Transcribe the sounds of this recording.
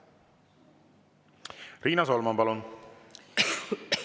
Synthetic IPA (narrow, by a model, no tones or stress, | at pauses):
riːnɑsolmɑnpɑlon